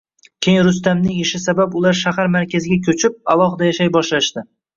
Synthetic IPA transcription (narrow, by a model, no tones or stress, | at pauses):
kʲʰejŋɾʊst̪amnɪŋɪʃɪsabapʊlaɾʃahaɾmaɾkʲazɪɡʲakʲʰɵt͡ʃʰɪp̚a̰lˠɒχɪd̪ajaʃajbɒʃlaʃt̪ɪ